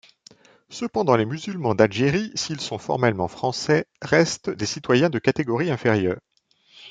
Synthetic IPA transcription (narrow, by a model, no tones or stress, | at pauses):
səpɑ̃d̪ɑ̃lemyzylmɑ̃d̪alʒeʁisiːlsɔ̃fɔ̰ʁmɛlmɑ̃fχɑ̃sɛʁɛst̪d̪esit̪wajɛ̃d̪əkat̪eɡɔʁiɛ̃feʁjœːʁ